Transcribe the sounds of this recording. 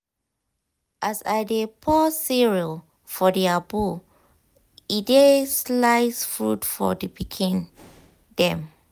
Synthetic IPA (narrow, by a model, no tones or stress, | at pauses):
ʔasajdepʰɔsiɹil | fɔdiabu | ideslaɪsfɹṵtfɔ̰dipikʰĩn | dɛ̃m